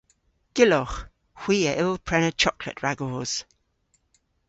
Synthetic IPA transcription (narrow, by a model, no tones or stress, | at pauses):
ɡ̥ɪlɔχ | hw̥iːəʔɪlˠpʰɹ̥ɛnət͡ʃʰɔkʰlə̰ʔɹaɡɔːz̥